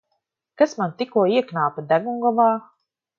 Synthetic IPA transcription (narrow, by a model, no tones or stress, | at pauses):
kasmant̪ikuɔiɛknaːpad̪æɡuŋɡɔvaː